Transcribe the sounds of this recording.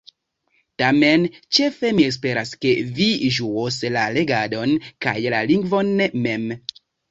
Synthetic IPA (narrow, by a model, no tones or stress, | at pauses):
tame̞nt͡ʃe̞fe̞mies̬pe̞ɾaske̞viʒuoslale̞ɡado̞nka̰jlaliŋɡvo̞nːeme̞m